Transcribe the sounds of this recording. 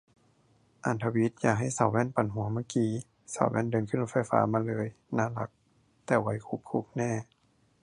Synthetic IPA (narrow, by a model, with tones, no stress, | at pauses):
ʔa˨˩nt̪ʰa˧wi˧˦˥t̪̚jaː˨˩k̚ɦa˥˩˨jsa˨˦wwɛː˧˥˨npa˨˩nɦu˨˩˦maː˧˥˨kiː˧ | sa̰˨˩˦wwɛ̰˧˥˨ndɤː˧nkʰɯ˧˥˨lo˧˥tfa˧˥˩jfa̰ː˨˦maː˧lɤː˧˦j | naː˧˥˨la˧˦k̚ | t̪ɛː˧˩wa˨˦jkʰu˧˦p̚kʰu˧˦p̚nɛː˧˩˨